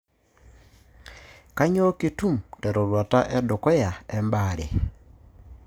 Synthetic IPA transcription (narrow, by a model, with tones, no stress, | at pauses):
ka˦ɲo˦ki˦tu˦˨mtɛ˨ɾɔ˨lwa˨ta˦ʔɛ˦dʊ˨kɔ˦ja˨ɛ˦mba˨ɾe˨